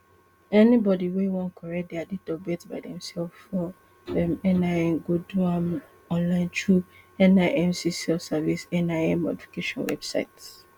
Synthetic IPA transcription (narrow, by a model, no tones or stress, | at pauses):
ɛnibɔdiwewɔ̃nkʰɔɹɛkt̚dɛaditɔbɛtbaɪdɛ̃msɛlffɔ | ɛ̃mɛnaɛ̃mɡoduãm | ɔ̃nlãɪ̃ntʰɹuɛ̃naɪʔɛ̃msisɛlfsavisɛ̃naɛ̃mːo̰difi̥keʃɔ̃nwɛ̰b̥sa̰ɪts